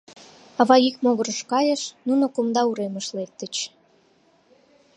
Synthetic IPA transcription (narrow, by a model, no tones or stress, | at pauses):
ɑβɑikmoɣərəʃkɑjəʃnunokumd̪ɑuɾeməʃlek̚t̪ət͡ɕ